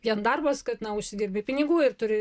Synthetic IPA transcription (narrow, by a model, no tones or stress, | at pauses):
ʋʲiɛnd̪ɐrbɐskɐt̪nɐʊʃʲsʲɪdʲɪːɾʲbʲepʲɪnʲɪɡuːɪrt̪ʊɾʲɪ